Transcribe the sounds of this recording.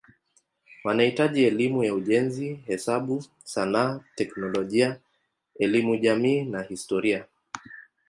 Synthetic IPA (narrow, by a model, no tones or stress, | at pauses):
wanahitaʄiɛlimujauʄɛnzihɛsaɓu | sanaːtɛknɔlɔʄia | ɛlimuʄamiːnahistɔɾia